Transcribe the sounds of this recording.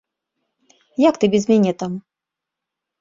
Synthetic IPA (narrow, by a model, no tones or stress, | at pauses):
jakt̪ɨbʲɛzmʲɛnʲɛt̪am